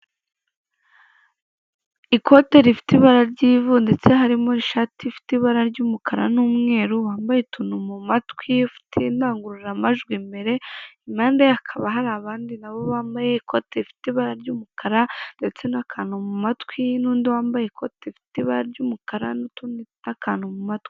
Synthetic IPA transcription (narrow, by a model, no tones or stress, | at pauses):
iko̞te̞ɾifi̥tiβaɾaɾɟiːvunde̞t͡se̞ɦaɾimo̞iʃaːtʰifi̥tiβaɾaɾɟuːmukʰaɾa̰nuːmŋe̞ːɾuwaːmbajetʰunumumatkwifi̥tindaːŋɡuɾuɾamaʒɡwimbe̞ɾe̞imaːndeakʰaβaɦaɾaːβaːndinaβo̞βaːmbaje̞ikʰo̞teɾifi̥tiβaɾaɾɟuːmukʰaɾande̞t͡se̞nakʰaːnumumatkwinuːndiwaːmbajeikʰo̞teɾifi̥tiβaɾaɾɟuːmukaɾa̰ntunnakaːnumumatki̥